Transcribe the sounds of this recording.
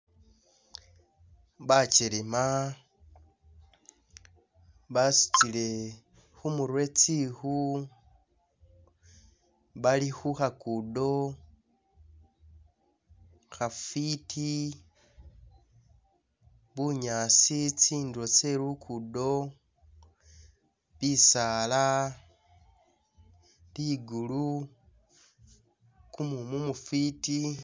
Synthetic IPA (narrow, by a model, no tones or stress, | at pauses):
βat͡ʃelema | βasi̥t͡sile̞ | xumuɾwe̞t͡sixu | βalixuxakudo̞ | xafitʰi | βuɲasit͡siːnduɾot͡se̞lukʰudo̞ | βisaːla | liɡulu | kumumumufiti